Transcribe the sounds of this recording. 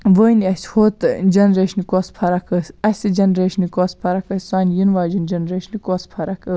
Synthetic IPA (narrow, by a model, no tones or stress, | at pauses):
ʋəːnɐshoːt̪d͡ʒɐnɾeːʃnikoːspʰɐɾɐkʰəsɐsʲɨd͡ʒɐnɾeːʃnikoːspʰɐɾɐkɐsʲsaːnʲjinʋaːd͡ʒind͡ʒɐnɾeːʃnikoːspʰɐɾɐkɨ